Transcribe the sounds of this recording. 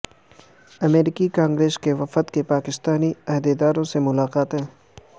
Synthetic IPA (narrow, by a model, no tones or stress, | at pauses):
ɐmeːɾɪkikãːŋɡɾeːskeʋɐfət̪kepaːkɪst̪aːniɐɦd̪ed̪aːɾõsemʊlaːqaːt̪ɦɛ̃ː